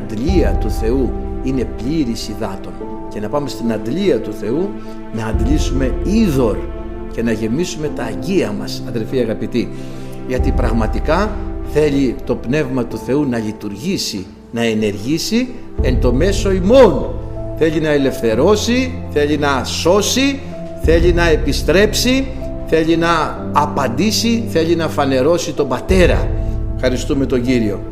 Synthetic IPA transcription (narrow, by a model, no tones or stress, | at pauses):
d̪liɐt̪uθe̞uine̞pʎiɾisiðɐt̪o̞n | ce̞nɐpɐme̞st̪inɐd̪liɐt̪uθe̞u | nɐːnd̪lisume̞iðo̞l | ce̞nɐʝe̞misume̞t̪ɐːɲɟiɐmɐsɐðe̞lfiɐɣɐpit̪i | ʝɐt̪ipɾɐɣmɐt̪ikɐθe̞ʎit̪o̞pne̞vmɐt̪uθe̞unɐʎit̪uɾʝisi | nɐe̞ne̞ɾʝisi | e̞nt̪o̞me̞so̞imo̞nθe̞ʎinɐe̞le̞fθe̞ɾo̞siθe̞ʎinɐso̞si | θe̞ʎinɐe̞pist̪ɾe̞psi | θe̞ʎinɐː | pɐnd̪isiθe̞ʎinɐfɐne̞ɾo̞sit̪o̞mbɐt̪e̞ɾɐ̰fxɐɾist̪ume̞t̪o̞ɲɟiɾio̞